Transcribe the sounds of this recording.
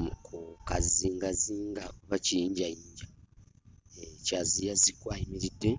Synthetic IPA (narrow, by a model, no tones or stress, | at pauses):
kʰukaziːŋɡaziːŋɡakuβacijiːɲɟajiːɲɟa | ecazijazikwaːjimiɾidːe̞